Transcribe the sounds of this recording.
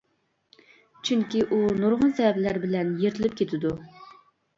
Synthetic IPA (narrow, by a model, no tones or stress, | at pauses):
t͡ʃʰyŋkʲiʔunuɾʁənsɛɛblæɾbɪlɛnjeɾt̪ʰɪlɪp̚kʲʰet̪ʰɪd̪u